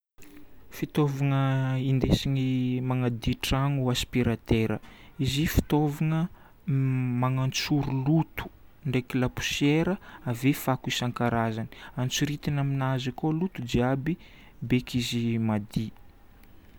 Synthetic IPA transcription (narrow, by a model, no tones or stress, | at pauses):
fit̪ovaŋəind̪esinimaŋad̪iʈ͡ʂaŋuaspiɾat̪eɾəizifi̥t̪ovaŋə | maŋant͡suɾulut̪u̥ɳɖ͡ʐekilapu̥seɾəavefakuisaŋkaɾazani̥ant͡suɾit̪inaminazakolut̪ud͡ʒiabi | bekʰizimad̪i